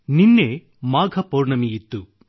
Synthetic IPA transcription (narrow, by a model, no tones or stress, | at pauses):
ninːe | maːɡʱɐpɔːɾɳɐmijit̪ːu